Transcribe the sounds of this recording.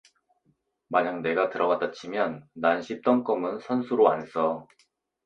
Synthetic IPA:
maɲaŋne̞ɡatɯɾʌɡat͈at͡ɕʰimjʌnːanɕʰip̚t͈ʌŋk͈ʌmɯnsʰʌnsʰuɾoa̰ns͈ʌ

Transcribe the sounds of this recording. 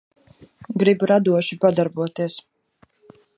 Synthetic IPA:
ɡɾibɾad̪uɔʃipad̪aɾbuɔt̪iɛs

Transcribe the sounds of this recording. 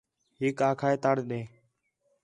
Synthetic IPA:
ɦɪːkaːkʰaːeːt̪aːɽɗẽː

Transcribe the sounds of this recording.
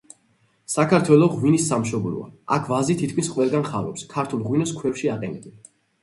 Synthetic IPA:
sakʰaɾt̪ʰwɛlˠɔʁwinisːamʃɔbɾṵa̰a̰kʰvazit̪ʰit̪kʰmisqʼwɛlˠɡanχaɾɔpskʰaɾt̪ʰulˠʁwinɔskʰwɛfʃiaqʼɛnɛbɛn

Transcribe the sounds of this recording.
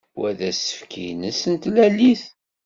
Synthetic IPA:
wæðæsə̥fkʰinəsənt̪lælːiθ

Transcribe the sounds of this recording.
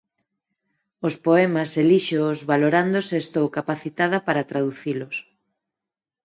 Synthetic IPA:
ospoɛmɐseliʃozβaloɾand̪oseːst̪owkapaθit̪að̞ɐpaɾat̪ɾaðuθilos

